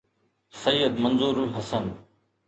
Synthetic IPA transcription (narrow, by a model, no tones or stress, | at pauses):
sɐjːəd̪mɐnzuːɾuɦɐsən